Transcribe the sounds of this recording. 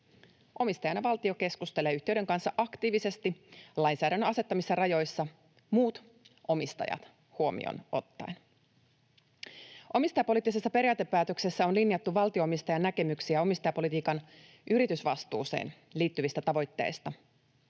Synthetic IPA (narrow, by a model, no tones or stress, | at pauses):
ʔo̞mist̪ɑjɑnjɑʋɑlt̪io̞ke̞skust̪e̞le̞ːyht̪eyde̞ŋkɑnsːɑʔɑkt̪iːʋise̞st̪ilɑjnsæːɾænːɑse̞t̪ːɑmisːɑrɑjo̞jsːɑ | muːt̪ | ʔo̞mist̪ɑ̰jɑ̰t̪ | huo̞mḭo̰nʔo̞̰t̪ːɑ̰jn | ʔo̞mist̪ɑjɑpo̞lit̪ːˑise̞sːɑpe̞ɾijɑːt̪epːæːt̪ø̞kse̞sːæo̞nlinjɑt̪ːuʋɑlt̪io̞omist̪ɑjɑnːækemyksiæo̞mist̪ɑjɑpo̞lit̪iːkɑn | ʔyɾit̪ysʋɑst̪ṵːse̞̰ːn | liːt̪ːyʋist̪æt̪ɑʋo̞jt̪ːe̞̰jst̪ɑ